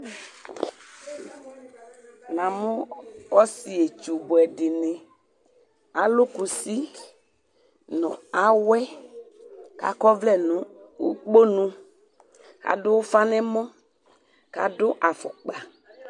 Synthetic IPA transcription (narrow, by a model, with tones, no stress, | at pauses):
nã˨mʊ̃˦ɔ˦si˨e˨t͡ʃu˨bʊ˨ɛ˨dɪ˨nɪ˨ | a˨lʊ˦ku˨si˦ | nʊ̰̃˨a˦wɛ˦ | ka̰˨kɔ˦vlɛ˦nʊ̃˨˦u˦k͡po˦nũ˦ | ka̰˨dʊ˦fa˦nɛ˦mɔ̃˦ | ka̰˨dʊ˦ʔa˨fʊ̰˨k͡pa˨